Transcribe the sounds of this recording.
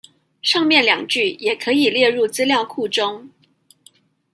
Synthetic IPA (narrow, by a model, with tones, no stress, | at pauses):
ʂɑ˥˧ŋmjɛ˥˩nljɑ˨˩ŋt͡ɕy˥˩jɛ˨˩kʰɤ˧˥i˨˩ljɛ˥˧ɻu˥˩t͡sɹ̩˥ljɑ˥˧ʊkʰu˥˩ʈ͡ʂʊ˥ŋ